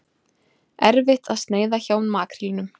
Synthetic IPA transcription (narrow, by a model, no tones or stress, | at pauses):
ɛɾvɪht̪aðst̪neːjðaçoːwnmaːkɾɪlinʏm